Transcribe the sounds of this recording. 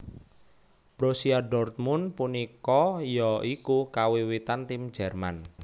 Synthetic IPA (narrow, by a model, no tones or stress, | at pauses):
b̥ɾosiaɖɔrt̪̚mʊnpunikɔjɔikukawiwit̪ant̪im̥d͡ʒ̥ɛrman